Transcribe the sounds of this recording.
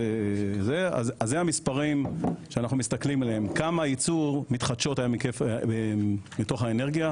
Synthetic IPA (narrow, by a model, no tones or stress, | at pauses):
ezea̰zazːeamispaʁimʃeanaχnumist̪aklimelehemkamait͡suʁmitχadʃo̞tajamikefemito̞χaeneʁɡija